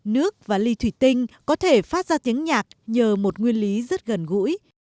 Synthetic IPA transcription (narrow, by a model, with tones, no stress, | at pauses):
nɨ˦˥ək̚vaː˨˩li˧t̪ʰwi˧˩t̪ï˧ŋ̟kɔ˨˦t̪ʰe˧˩faː˦˥t̚zaː˧t̪i˨˦əŋɲaː˨˩k̚ɲəː˨˩mo˨˩t̚ŋwi˧ənli˨˦zə˦˥t̚ɣə˨˩nɣṵ˧˥j